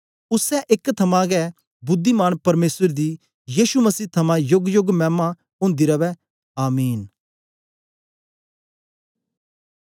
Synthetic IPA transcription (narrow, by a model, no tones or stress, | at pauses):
ʊsɛʔɪkt̪ʰɐmãɡɛ | bʊd̪ːimaːñpɐɾmeːsəɾd̪i | jiːʃumɐsiːt̪ʰɐmãjʊɡjʊɡmɛ̃ːma | ɦʊ̃ːnd̪iɾɐʋɛ | aːmiːn